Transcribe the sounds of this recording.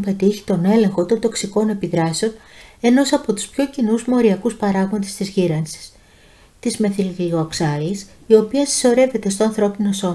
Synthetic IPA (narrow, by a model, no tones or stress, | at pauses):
pe̞t̪içi̥t̪o̞ne̞le̞ŋxo̞t̪o̞nd̪o̞ksiko̞ne̞piðɾɐseo̞ne̞no̞sɐpo̞t̪u̥spço̞cinuzmo̞ɾiɐkuspɐɾɐɣmond̪e̞st̪izʝiɾɐnsi̥s | t̪izme̞θilioksɐlisio̞piɐsi̥so̞ɾe̞ve̞t̪e̞st̪oɐnθɾo̞pino̞so̞